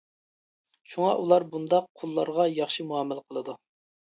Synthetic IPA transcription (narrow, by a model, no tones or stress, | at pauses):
ʃuŋɑʔulˠɑɾbund̪ɑqʰolˠːɑɾʁɑjɑχʃimuɑmːɪlqʰəlˠɨd̪u